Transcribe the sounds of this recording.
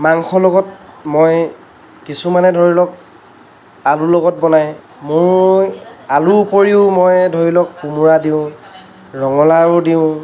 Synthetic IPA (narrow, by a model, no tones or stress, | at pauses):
maŋxɔlɔɡɔt̚moj | kisumanɛdʱoɹilɔk̚ | alulɔɡɔt̚bɔnaj | mʊɹ | aluupoɹiʊmojdʱoɹilɔkːumuɹadiʊ̃ | ɹɔŋɔlaɹʊdiʊ̃